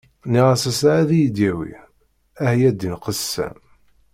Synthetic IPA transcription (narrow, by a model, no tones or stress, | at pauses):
niʁasæsʕæðijid̪jæwḭ | æhjæd̪ːinqəsːæ̰m